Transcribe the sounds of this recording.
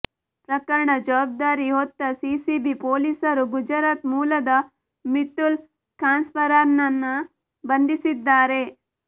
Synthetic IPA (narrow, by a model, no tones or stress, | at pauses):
pɾɐkɐɾɐɳɐd͡ʒɐʋaːb̚d̪aːɾiɦot̪ːɐsiːsibipoːliːsɐɾuɡud͡ʒɐɾaːt̪muːlɐd̪ɐ | mit̪ːul | kɾaːnspɐɾaːɾnɐnːɐ | bɐnd̪isid̪ːaːɾe̞